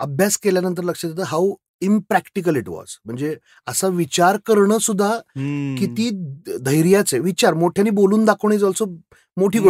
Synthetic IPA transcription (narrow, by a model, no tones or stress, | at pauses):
əbʱjaskeljanənt̪̬əɾləkʂat̪at̪əɦaw | impɾækʈik̬əliʈʋɔ̰zm̤əɳd͡ze | əsaʋit͡ɕaɾkəɾɳəːsud̪ʱːakit̪iːd̪ʱəjɾjat͡seʋit͡ɕaɾmoʈʰjaniːboluːnd̪akʰəʋɳ̃eːd͡zəlt͡so | moʈʰiːɡo